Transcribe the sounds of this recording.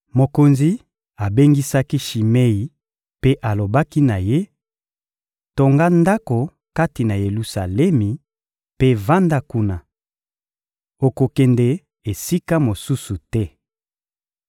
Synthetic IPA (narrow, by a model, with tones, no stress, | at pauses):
mo˨ko˨nzi˦ | a˨be˦ŋɡi˦sa˦ki˦ʃi˨me˦i˨ | pe˦ʔa˨lo˨ba˦ki˦na˨je˦ | to˨ŋɡa˦nda˦ko˨ | ka˦ti˨na˨je˨lu˨sa˨lɛ˦mi˨ | pe˦va˦nda˦ku˦na˨ | o˨ko˨kɛ˨nde˨ | e˨si˦ka˦mo˨su˦su˨tɛ˦